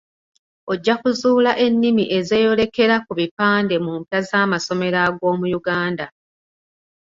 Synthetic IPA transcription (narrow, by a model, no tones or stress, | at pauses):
o̞ɟːakuzuːlaʔe̞nːimiʔe̞ze̞ːjo̞le̞ke̞ɾakuβipaːnde̞mumpjazaːmaso̞me̞ɾaɡo̞ːmujuɡaːnda